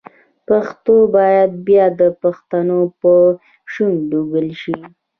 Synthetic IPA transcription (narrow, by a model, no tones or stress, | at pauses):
paxt̪obɑjad̪̚bjɑd̪əpaxt̪anopə | ʃunɖuɡəlʃi